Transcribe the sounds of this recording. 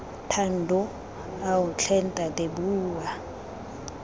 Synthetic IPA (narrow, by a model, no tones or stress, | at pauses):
tʰan̩dʱɔ | awunt͡ɬʰɛn̩tʼatebuːwa